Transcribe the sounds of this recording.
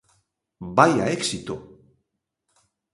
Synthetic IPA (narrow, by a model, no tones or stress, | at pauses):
bajaeksit̪o